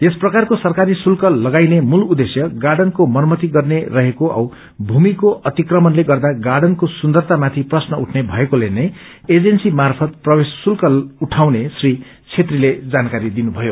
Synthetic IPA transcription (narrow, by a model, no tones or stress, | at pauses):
t̪esprʌkarkosʌrkaɾisulkʌlːʌɡajnemulud̪esjʌɡarɖʌnkomʌnmʌt̪iɡʌrnerʌɦekoʔʌ̰w | bʱumikoʔʌt̪ikrʌmʌnleɡʌrd̪aɡaɖʌnkosund̪ʌrt̪amat̪ʰiprʌsnʌuʈʰnebʱʌekolenʌj | ed͡zensimarpʰʌt̪̚prʌbesːulkʌluʈʰawnesri | t͡sʰet̪riled͡zankaɾid̪inubʱʌjo